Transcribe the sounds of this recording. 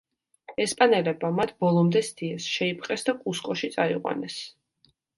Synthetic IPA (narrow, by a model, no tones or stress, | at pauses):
ɛspʼanɛlɛbmamat̪ʰbɔlˠɔmd̪ɛst̪ʰiɛsʃɛipʼqʼɛsd̪akʼuskʼɔʃit̪sʼaiqʼwa̰nɛs